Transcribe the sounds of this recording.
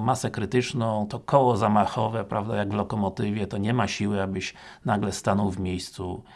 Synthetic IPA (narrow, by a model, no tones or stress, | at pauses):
masɛkɾɘt̪ɘt͡ʂnɔ̃w̃t̪ɔkʰɔwɔzamaxɔvɛpɾavd̪ajaɡvlɔkɔmɔt̪ɘvʲjɛt̪ɔɲɛmaɕiwɘabɘɕ | naɡlɛst̪anɔwvmʲjejst̪su